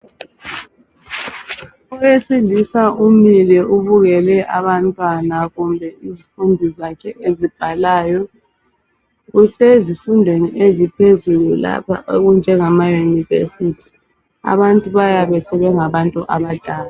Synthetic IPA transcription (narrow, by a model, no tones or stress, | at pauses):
ɔjesilisaʔumilɛʔuβuɣɛlɛʔaβantʼwanaɣumbʱɛizifundʱizakʰɛʔezib̥ʱalaːjɔ | ɣusezifundʱweniʔezipʰezulula̰pʰa̰oɣund͡ʒʱɛŋamajunivḛsitʰi̥ | a̰βantʼuβajaβɛsɛβɛŋaβantʼuʔaβad̥ʱaːla